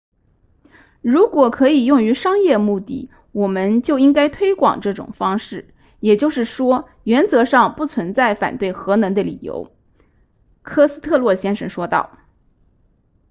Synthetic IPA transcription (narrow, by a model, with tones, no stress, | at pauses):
ɻu˧˥kwɔ˨˩kʰɤ˧˥i˨˩jʊ˥˩ŋy˧˥ʂɑ˥ŋjɛ˥˧mu˥˧t̪ḭ˥˩ | wɔ˨˩mə˧˦nt͡ɕjo˥˩ʊi˥ŋka˥ɪt̪ʰwe˥ɪkwɑ̰˨˩ŋʈ͡ʂɤ˥˩ʈ͡ʂʊ̰˨˩ŋfɑ˥ŋʂɻ̩˥˩ | jɛ˨˩t͡ɕjo˥˧ʊʂɻ̩˥˩ʂwɔ˥ | ɥɛ˧˥nt͡sɤ˧˥ʂɑ˥˧ŋpu˥˩t͡sʰwə˧˥nt͡sa˥˩ɪfa̰˨˩nt̪we˥˩ɪxɤ˧˥nɤ˧˥ŋd̪ə˧lḭ˨˩jo̰˧˥ʊ | kʰɤ˥sɹ̩˥t̪ʰɤ˥˧lwɔ˥˩ɕjɛ˥nʂə˧˥nʂwɔ˥t̪ɑ˥˩ʊ